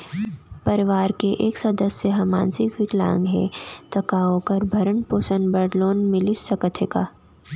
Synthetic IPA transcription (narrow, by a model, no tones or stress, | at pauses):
pɐɾɪʋaːɾkeʔeːksɐd̪əsːeɦɐmã̰ːnsɪkʋɪklã̰ːŋɡɦɛ̰ːt̪ɐkaõkɐɾbʱɐɾəɳpoːsənbɐɖloːnmɪlisɐkət̪ʰekaː